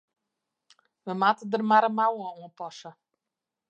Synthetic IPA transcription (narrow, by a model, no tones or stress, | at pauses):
ʋəmaːtədərmaɾəmawəuəpɔsə